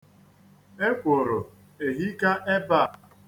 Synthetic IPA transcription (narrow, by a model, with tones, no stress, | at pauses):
e˦kʷʊ˨ɾʊ˨ | e˨ɦi˦ka˦ʔe˦ba˦˨